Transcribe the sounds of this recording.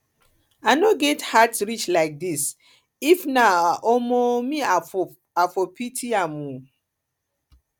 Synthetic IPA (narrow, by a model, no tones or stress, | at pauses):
anoɡɛthatsɹit͡ʃlaɪk̚dis | ifnaʔomomĩa | afopitʰiamũ